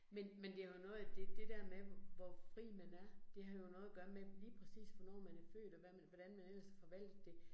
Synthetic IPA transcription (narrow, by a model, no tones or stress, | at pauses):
menmend̥e̝æɐjo̝nɔ̽ːð̩ˠd̥e̝d̥e̝d̥æɐ̰meʋɒfʁḭːmænæɐd̥e̝ɦɑ̈jo̝nɔ̽ːð̩ˠɐɡ̥ɶɐmeliːpʰʁɛsḭːsʋɒ̽nɒ̰ːmænæfø̰ːd̥ɒʋæmæʋɒd̥ænmænel̰sfɒ̽ʋæl̰d̥ð̩d̥e̝